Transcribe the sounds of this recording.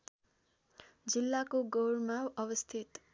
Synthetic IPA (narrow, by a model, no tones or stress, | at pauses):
d͡zilːakoɡʌwrmaʌbʌst̪ʰit̪